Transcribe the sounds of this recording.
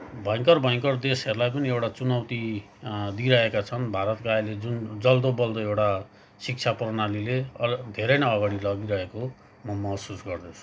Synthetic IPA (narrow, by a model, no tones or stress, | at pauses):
bʱʌj̃ŋkʌrbʱʌj̃kʌrd̪eseɾlajpʌniewʈat͡sunʌwt̪i | d̪iɾʌekat͡sʰʌnbʱaɾʌt̪koajled͡zund͡zʌld̪obʌld̪ʌewʈa | sik̚t͡sʰaprʌnalileʌd̪ʱeɾʌjnaʌɡaɽilʌɡiɾʌɦeko | mʌmʌɦsusɡʌrd̪ʌt͡sʰu̥